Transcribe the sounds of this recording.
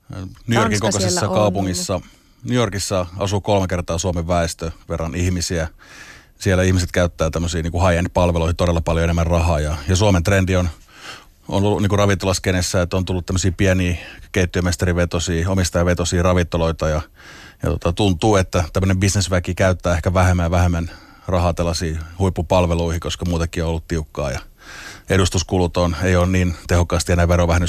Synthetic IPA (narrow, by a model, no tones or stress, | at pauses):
nyjorkiŋkokosesːɑkɑupuŋːisːɑ | nyjorkisːɑɑ̰sukolmekert̪ɑːsuɑmeʋːæˑest̪øʋerːɑnihmisiæ | siælːˑæihmiset̪kæyt̪ːæːt̪æmːøsiːniːŋkuhɑiendpɑlʋeloihit̪odelːɑpɑljoenemːærrɑɦɑːjɑjɑsuɑment̪rendion | o̰nolːuniːŋkurɑʋint̪ːolɑskenesːæet̪ːont̪ulːut̪t̪æmːøsiːpiɛniːkeit̪ːyømest̪ɑriʋet̪osiːomist̪ɑjɑʋet̪osiːrɑʋint̪ːoloit̪ɑjɑ | jɑ̰t̪o̰t̪ɑt̪unt̪uːet̪ːæt̪æmːənembisnesʋækikæyt̪ːæːehkæʋæhemːæʋæhemːæn | rɑhɑːt̪elːɑsiːhuipːupɑlʋeluihikoskɑmuːt̪ɑkːˑiːoolːut̪t̪iukːɑ̰ːjɑ | eɾust̪uskulut̪onejoːnniːnt̪ehokːˑɑːst̪ienæːʋeɾoʋæhnːy